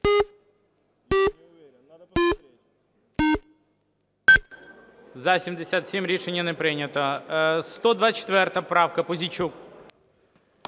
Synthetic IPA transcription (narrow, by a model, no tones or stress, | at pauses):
zɐsʲimd̪esʲat̪sʲimʲɾʲiʂɛnʲːɐnɛpɾɪnʲɐt̪ɔst̪ɔd̪ʋat͡ʃːɪ̥t̪ʋɛrt̪ɐpɾɑwkɐpɔzʲit͡ʃuk